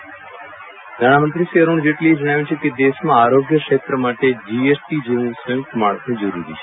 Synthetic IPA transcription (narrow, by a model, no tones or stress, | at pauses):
d̪ʱaːɽamənt̪ɾisiəɾuɳ̃d͡ʒeʈlied͡ʒəɽ̃aːʋjũt͡ʃʰeked̪eʃmãaɾoɡjəkʂet̪ɾəmaʈed͡ʒiesʈid͡ʒeũsəjə̃pɾəmaɭsnĩd͡ʒəɾṵɾḭt͡ʃʰe